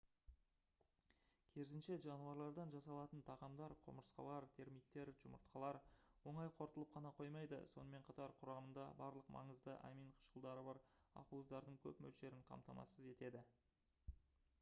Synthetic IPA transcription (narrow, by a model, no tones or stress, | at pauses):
kʲʰe̞ɾɪs̬ɪnʃe̞ʒɑnuɑɾlˠɑɾd̪ɑnʒɑsɑlˠɑt̪ənt̪ʰɑʁɑmd̪ɑɾqʰo̰məsqɑ̰lˠɑɾt̪ʰe̞ɾmijkt̪ːe̞ɾʒʊmə̰ɾt̪̚qʰɑlˠɑɾwo̞ɴɑjqʰo̞ɾt̪əlˠəp̚qʰɑnɑqʰo̞jmɑjd̪ə̰so̞nəme̞ɴqʰɑt̪ɑɾqʰʊɾɑmənd̪ɑbɑɾlˠəqmɑ̰ɴəzd̪əʔa̰mʲijɴqʰə̥ʃəlˠd̪ɑɾəbɑɾɑ̰quəzd̪ɑɾd̪əɴkʲʰɵpmɵlʃe̞ɾɪɴqʰɑ̰mt̪ɑmɑ̰səze̞t̪e̞d̪ɪ